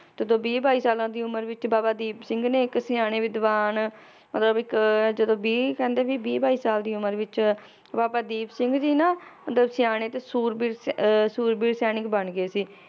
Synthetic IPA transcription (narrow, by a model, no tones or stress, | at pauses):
d͡ʒəd̪õːbiːbaːiːsaːlãːd̪iːʊməɾʋɪt͡ʃbaːbaːd̪iːbsɪ̃ŋɡneːɪksɪjaːɽ̃eːʋɪd̪ʋaːn | mət̪ləbɪkd͡ʒəd̪õːbiːkɛ̃ːnd̪eːbiːbiːbaːiːsaːld̪iːʊməɾʋɪt͡ʃ | baːbaːd̪iːbsɪŋɡd͡ʒiːnaːmət̪ləbsɪjaːñeːt̪eːsuːɾbiːɾsuːɾbiːɾsjaːnɪkbəɳɡeːsiː